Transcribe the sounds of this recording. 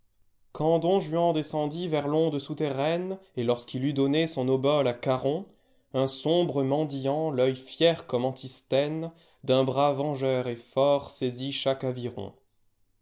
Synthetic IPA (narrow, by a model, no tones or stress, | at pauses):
kɑ̃d̪ɔ̃ʒɥɑ̃d̪esɑ̃d̪ivɛʁlɔ̃d̪əsut̪eʁɛnelɔʁskilyd̪ɔnesɔ̃nɔbɔlakaʁɔ̃ | ɛ̃sɔ̃bʁəmɑ̃d̪ijɑ̃lœjfjɛʁkɔmɑ̃t̪ʰist̪ɛn | d̪ɛ̃bʁavɑ̃ʒœʁefɔʁseziʃakaviʁɔ̰̃